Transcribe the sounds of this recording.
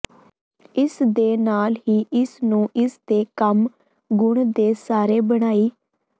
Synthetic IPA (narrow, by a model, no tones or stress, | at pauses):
ɪsd̪eːnaːlɦiːʔɪsnũːʔɪsd̪eːkəm | ɡʊɳd̪eːsaːɾeːbəɽ̃aːiː